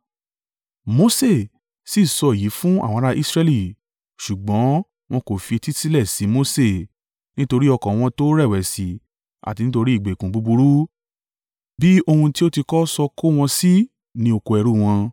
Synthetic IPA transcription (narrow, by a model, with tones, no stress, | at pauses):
mo˧se˦˨ | si˦˨sɔ˧˨ji˨˦fũ˦a̰˦˨wɔ̃˧˦˧ɾa˦ʔi˦sɾɛ˧li˦˨ | ʃu˨ɡ͡bɔ̃˨˦ | w̃ɔ̃˧˦ko˨fi˧e˧ti˦ti˦lɛ˦˨si˨˦mo˧se˦˨ | nĩ˦to˧ɾi˦ɔ˧kɔ̃˨w̃ɔ̃˧to˦ɾɛ˦˨wɛ˨si˨˦ | a̰˨ti˧nĩ˦to˧ɾi˦i˦˨ɡ͡be˨kũ˨bu˨˧bu˧ɾu˦ | bi˦o˧hũ˧ti˦o˦ti˧kɔ˦sɔ˧ko˦w̃ɔ̃˧si˦ | nĩ˧o˧ko˧ɛ˧ɾu˦˨w̃ɔ̃˧